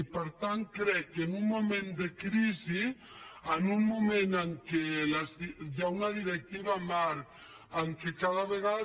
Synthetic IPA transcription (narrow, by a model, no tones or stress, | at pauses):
peɾt̪aŋkɾɛkːenuŋmomẽnd̪ekɾizi | anunmumẽnaŋkelasd̪aunaðiɾɛk̚t̪iβamaɾ | aŋkekaðaβeɣa